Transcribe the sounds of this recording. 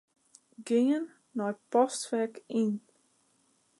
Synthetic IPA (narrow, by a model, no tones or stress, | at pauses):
ɡɪənː | ɔjpɔstʋɛkin